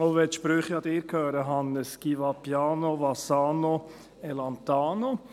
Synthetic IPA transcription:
oʋɛt̪ʃpɾøːχiɑd̪ɪːɾkʰøːɾəɦɑnːəskiʋɑpjɑːnoʋɑsɑːno | ɛlɑnt̪aːno

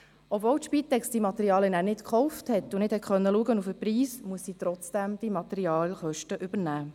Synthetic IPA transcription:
ɔbvɔwt̪ʃpit̪ɛksd̥imɑt̪ɛɾiɑːljənæːɾnɪtkχɔʊfthɛtʊnɪd̥hɛtχœnːəluəɡənufəpɾiːsmuəsːiːt̪ɾɔt͡sd̥æmd̥imɑt̪ɛɾiɑːlχœʃtəʔʏbəɾnæː

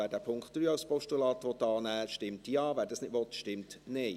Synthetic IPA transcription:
æːɾdæːpʰʊŋkχtd̥ɾyːaʊspɔʃtulɑːt̪ʋɔt̪ːɑːnæːʃtɪmtjɑːvæːɾdɑsnɪtʋɔt̪ʃtɪmtneɪ

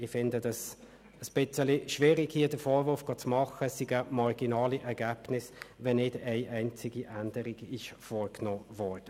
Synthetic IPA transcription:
ɪfɪndəd̥ɑs | əsb̥ɪt͡səliʃʋiːɾɪɡhiːədəfoːɾvʊɾfɡ̥oːt͡smɑχəsiɡəmɑɾɡ̥inɑːliʔɛɾɡ̥æːb̥nɪsʋɛnːɪdɛɪʔɛɪnt͡sɪɡ̥iʔændəɾɪɡɪʃfɔːɾknɔːvɔːɾd̥ə

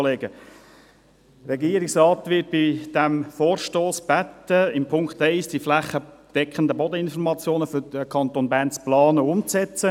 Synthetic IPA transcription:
leːɡə | rɛɡiːəɾɪksrɑːt̪ʋɪt̚b̥id̥ɛmfoːɾʃtoːsb̥æt̪əɪmpʰʊŋkχtaɪsd̥iflæχəd̥ɛkχənd̪əbɔd̪əɪnfɔɾmɑt͡sjoːnəfyd̥əkʰɑnt̪onbæːnt͡splɑːnəʊmt͡sɛt͡sə

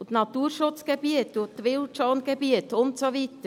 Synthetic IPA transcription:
ut̪nɑt̪uːɾʃʊt͡sɡ̥ɛbiət̪ut̪ʋɪlt͡ʃoːnɡ̥ebiət̪ʊnt̪soʋit̪ə

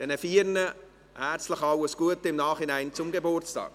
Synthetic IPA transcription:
d̥ɛnəfiːrnə | hært͡stləχɑwəsɡ̥uətəɪmnɑːχinɛɪnt͡sʊmɡebort͡stɑ̰ːk

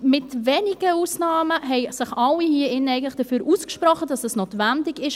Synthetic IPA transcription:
mɪtvɛːnɪɡ̥əuːsnɑːməɦɛɪsɪχʔɑlːihiːəɪnəɛɪɡən̩tlɪχd̥əfyːɾʔuːskʃprɔχəd̥ɑsdɑsnoːtvændɪɡɪʃ

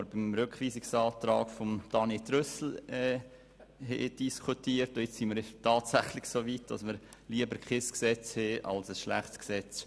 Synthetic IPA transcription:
ɾbɪmɾʏkχʋiːsɪksɑːtɾɑːɡ̥fomd̥ɑnetɾøsl̩ɛː | hɛ̰d̥iskʰutiːəɾtɔjɪt͡ssimiɾtɑːtsæχlɪçsoːʋit̚d̥ɑ̰sməɾliəbəɾkʰɪsksɛt͡shɛʔɑ̰lsəsʃlæ̰χtsksɛt͡s

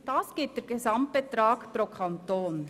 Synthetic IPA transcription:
d̥ɑːsɡ̥ɪt̚d̥ɛɾɡezɑmt̚b̥et̪ɾɑːkpɾokʰɑntoːn

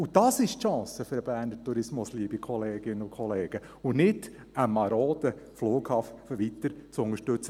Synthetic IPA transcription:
ʊd̥ɑsɪʃtʃɑ̃ːsəfʏɾəbæːɾnətuɾɪsmʊsliːbikʰɔleːɡ̥ɪnːəʊkʰχɔleːɡ̥ə | ʊnɪd | əmɑɾoːd̪əfluːkhɑːffəʋit̪əɾt͡sʊŋəɾʃtɵt͡sə

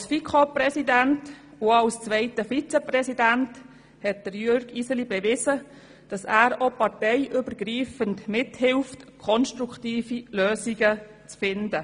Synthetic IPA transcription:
ɑlsfikʰopɾɛsidænt | uɑlst͡sʋɛɪtəfit͡sɛprɛsidænt | hɛt̚d̥əɾjʏɾɡ̥isəlibɛʋɪzə | d̥ɑsæːɾopɑɾtɛɪʔʏbəɾɡɾiːfəntmɪthɪlftkʰɔnʃtɾukʰtiːfiløːsiɡət͡sfɪndə

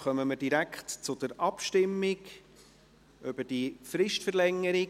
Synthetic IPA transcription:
χœməməd̥iɾækχtt͡sʊdəɾɑpʃtɪmːɪɡ | ʉb̥əd̥ifɾɪʃtfəɾlɛŋːəɾɪ

